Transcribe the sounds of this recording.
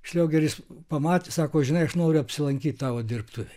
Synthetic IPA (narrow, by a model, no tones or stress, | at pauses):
ʃʲlʲɛʊɡʲɛrʲjɪspɐmɑːt̪ʲesɑːkoːʒʲɪnɐɪɐʃnoːɾʲʊɐpʲsʲɪlˠɐŋʲkʲiːt̪ʲt̪ɑːʋoːd̪ʲɪrpt̪uʋʲɛ